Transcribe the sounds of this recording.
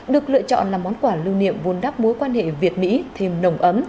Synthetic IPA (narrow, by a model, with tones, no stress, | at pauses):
ɗɨ˨˩ək̚lɨ̰˧˨ət͡ɕɔ̰˧˨nlaː˨˩mɔ˨˦nkwaː˧˩lɨ˧wnḭ˧˨əmvu˨˦nɗaː˦˥p̚mo˨˦jkwaː˧nhḛ˧˨vi˨˩ət̚mḭ˧˥t̪ʰe˧mnə˨˧˩wŋ͡mʔə˨˦m